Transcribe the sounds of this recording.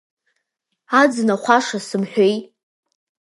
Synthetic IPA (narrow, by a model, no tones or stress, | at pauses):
ad͡znaχʷaʂasɨmħʷᶣejtʼ